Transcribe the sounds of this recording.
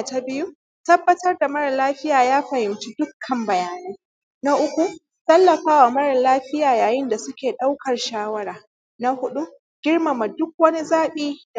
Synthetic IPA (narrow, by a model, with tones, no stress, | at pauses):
a˨ta˦bɪ˦ju˦ | tɐ˦bːɐ˦tɐ˦rda˨mɐ˦ɽɐ˨laː˦ɸɪ˦jaː˨jaː˦ɸɐ˨hɪ˨mt͡ʃi˦dʊ˦kʰːɐ˨mbɐ˨jaː˨nuː˦ | na˦ʔʊ˦kʷu˨ | tɐ˦lːɐ˨ɸaː˦wa˨mɐ˦ɽɐ˨laː˦ɸɪ˦jaː˨jaː˨jɪ˦nda˨sʊ˦kʲeː˨ɗa˦wkɐ˨rʃaː˦wɐ˦ɾaː˨ | na˦hʊ˦ɗu˦ | ɡ̥ʲɪ˦rma˨ma˨dʊ˦k̚wɐ˦ni˦zaː˦ɓiː˦da˨